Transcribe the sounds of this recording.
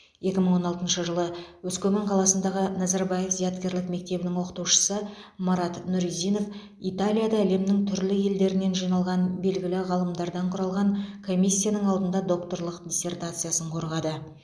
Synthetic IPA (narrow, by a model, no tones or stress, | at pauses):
je̞kʲɪməɴwo̞nɑlˠt̪ənʃəʒəlˠəwɵskʲʰɵmeɴqʰɑlˠɑsənd̪ɑʁənɑzɑɾbaje̞fzijat̪kʲe̞ɾlɪkme̞k̚t̪e̞bɪnɪŋwo̞qət̪uʃə̥səmɑɾat̪nʊɾizijno̞f | ijt̪alʲijad̪ɑæle̞mnɪŋt̪ʰʏɾlɪje̞ld̪e̞ɾɪne̞nʒijnɑlˠʁɑnbe̞lɡʲɪlɪʁɑlˠəmd̪ɑɾd̪ɑɴqʰʊɾɑlˠʁɑŋkʰo̞mijsʲːijanəɴɑlˠd̪ənd̪ɑd̪o̞kt̪o̞rlˠəqd̪ʲise̞rt̪at̪sɨjasəɴqʰo̞ɾʁɑd̪ə